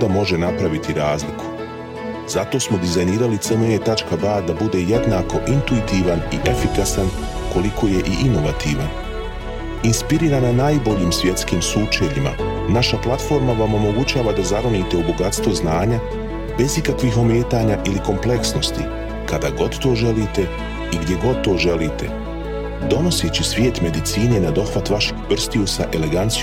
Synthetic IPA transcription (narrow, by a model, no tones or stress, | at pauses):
d̪amo̞ʒenapɾaʋit̪iɾaːzlikʰu̥ | z̥at̪o̞ːsmo̞d̪izajniːɾalit̪semeet̪at͡ʃkabaːd̪abud̪e̞je̞d̪naːko̞ʔint̪uit̪iʋanḭʔefikasan | ko̞likʰo̞ːje̞ʔiʔino̞ʋat̪iːʋan | inspiɾiːɾananaːjbo̞ʎiːmsʋje̞t̪skiːmsuːt͡ʃeʎima̰ | naʃaplˠat̪fo̞ːɾmaʋamo̞mo̞ɡut͡ɕaːʋad̪azaɾoniːt̪eubo̞ɡat̪st̪ʋo̞znaːɲa | be̞zikakʋixo̞meːt̪aːɲaʔiliko̞mple̞ksno̞st̪ḭ | kad̪aɡo̞d̪t̪ːo̞ːʒe̞liːt̪e̞ | iɡd̪je̞ɡo̞d̪̚t̪o̞ːʒe̞liːt̪e̞ | d̪o̞no̞sit͡ɕisʋʲje̞ːt̪me̞d̪it̪siːne̞nad̪o̞xʋat̪ʋaʃe̥kpr̩st̪iusaʔe̞le̞ɡant̪s